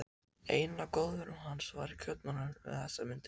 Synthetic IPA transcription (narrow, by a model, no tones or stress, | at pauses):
eːjnakoːwðʏɾʏmɦanːsva̰ɾɪcʰœp̪nanaɾvɪ̰ðθɛsːamʏnt̪